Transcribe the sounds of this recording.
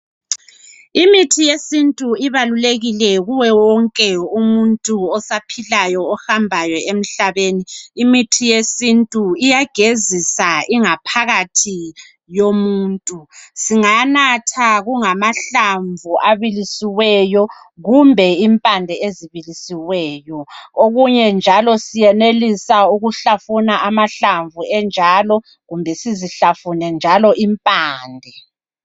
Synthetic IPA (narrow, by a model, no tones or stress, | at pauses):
imitʰijesintʼuiβaluleɣilɛɣuwɛwɔŋkʼɛumuntʼuɔsapʰilajɔɔhambʱajɔem̩ɬaβeniːmitʰijesintʼuijaɡ̥ʱezisaiŋapʰaɣatʰi | jomuːntʼusiŋanatʰaɣuŋamaɬaɱvʱuaβilisiwɛjɔ | ɣumbʱɛimpʼandʱɛeziβilisiwɛːjɔoɣuɲɛnd͡ʒʱalɔsijɛnelisauɣuɬafunaʔamaɬaɱvʱuɛnd͡ʒʱaːlɔ | ɣumbʱɛsiziɬafunɛnd͡ʒʱalɔʔimpʼaːndʱɛ